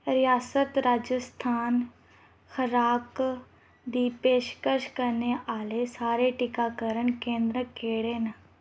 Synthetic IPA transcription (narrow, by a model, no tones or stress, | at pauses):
ɾɪjaːsət̪ɾaːd͡ʒəst̪ʰaːn | xʰəɾaːk | d̪iːpeːʃkəɾʃkəɾneːʔaːleːsaːɾeːʈɪkaːkəɾəɳkẽːnd̪ɾəkeːɽeːnə